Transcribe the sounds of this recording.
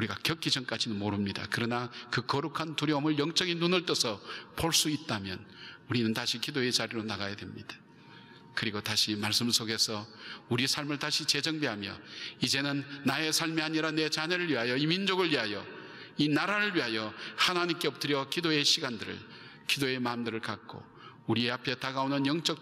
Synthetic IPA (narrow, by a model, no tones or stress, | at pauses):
uɾiɡakjʌk͈id͡ʑʌŋk͈ad͡ʑinɯnmoɾɯmɲida̰kɯɾʌnakɯkʌɾukʰantuɾjʌomɯɭjʌŋt͡ɕ͈ʌɡinːunɯɭt͈ʌsʰʌpoɭs͈uit̚t͈amjʌ̰nuɾinɯntaɕʰikidoe̞t͡ɕaɾiɾonaɡajadwemɲḭd̥ḁ | kɯɾiɡotaɕʰimaɭs͈ɯmsʰoɡesʰʌuɾisʰaɭmɯɭtaɕʰit͡ɕe̞d͡ʑʌŋbiɦamjʌid͡ʑe̞nɯnːae̞sʰaɭmiaɲiɾane̞t͡ɕaneɾɯɭɥiɦajʌimind͡ʑoɡɯɭɥiɦajʌ | inaɾaɾɯɭɥiɦajʌhanaɲimk͈e̞ʌp̚t͈ɯɾjʌkidoe̞ɕʰiɡandɯɾɯ̰ɭ | kidoe̞maːmdɯɾɯɭkak̚k͈o̰ | uɾie̞apʰe̞taɡaonɯnjʌŋt͡ɕ͈ʌk̚